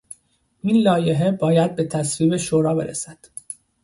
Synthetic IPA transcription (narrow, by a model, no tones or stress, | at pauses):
ʔiːnlɒːje̞ɦe̞bɒːjæd̪̚be̞t̪ʰæsviːbe̞ʃoːɾɒːbe̞̰ɾḛsæd̪̥